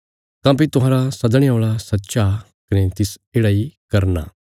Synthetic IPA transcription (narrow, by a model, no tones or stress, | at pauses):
k̪ãːp̬it̪ʊɦãːɾasɐd̪ɽ̃eoːɭasɐtːʃa | kɐnet̪ɪseːɽaːikɐɾna̰ː